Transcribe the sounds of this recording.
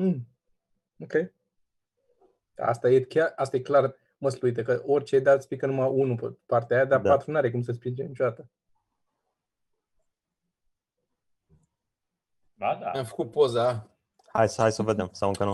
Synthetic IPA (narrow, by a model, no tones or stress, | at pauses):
okej | a̰a̰st̪ajekʲjarast̪ajeklar | məsluit̪əkəʔo̞rʲt͡ʃe̞d̪at̪əspikənumaʔunuppart̪eajad̪aat̪ɾunaɾe̞kumsəspind͡ʒemnit͡ʃod̪at̪ə | adaamfə̥kut̪̚po̞za | ha̰jsəhajsəved̪emsawɨŋkənu